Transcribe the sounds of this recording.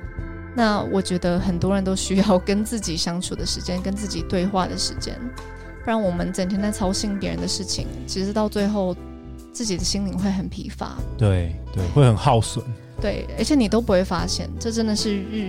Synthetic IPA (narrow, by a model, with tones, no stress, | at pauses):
na˥˩wʔɔ˨˩t͡ɕɥɛ˧˥d̪ə˧xə˨˩nt̪wɔ˥ɻə˧˥nt̪o˥ʊɕy˥jɑ˥˩ʊkə˥nt͡sɹ̩˥˩t͡ɕi˨˩ɕjɑ˥ŋʈ͡ʂʰu˨˩d̪ə˦ʂɻ̩˧˥t͡ɕjɛ˥nkə˥nt͡sɹ̩˥˩t͡ɕi˨˩t̪we˥˧ɪxwa̰˥˩d̪ə˨˩ʂɻ̩˧˥t͡ɕjɛ̰˥n | fɻa˥nwɔ˨˩mə˦nt͡sə˨˩nt̪ʰɛ˥na˥˩ɪt͡sʰɑ˥ʊɕi˧˥ŋpjɛ˧˥ɻə̰˧nd̪ə˧ʂɻ̩˥˩t͡ɕʰḭ˨ŋt͡ɕʰi˧˥ʂɻ̩˧˥t̪ɑ˥˧ʊt͡swe˥˧ɪxo˥˧ʊ | t͡sɹ̩˥˩t͡ɕi˨˩d̪ə˦ɕi˥ŋnli˨˩ŋxwe˥˩ɪxə˨˩npʰḭ˧˥fa̰˧˥˦t̪we˥˩ɪt̪we˥˩ɪxwe˥˩ɪxə˨˩nxɑ˥˩ʊswə̰˨˩˦n | t̪we˥˩ɪə̰˞˧˥t͡ɕʰjɛ˧˥ni˨˩t̪o˥ʊpu˧˥xwe˥˩ɪfa˥ɕjɛ̰˥˧nʈ͡ʂɤ˥˩ʈ͡ʂə˦˥nd̪ə˨ʂɻ̩˥˧ɻ̩˥˧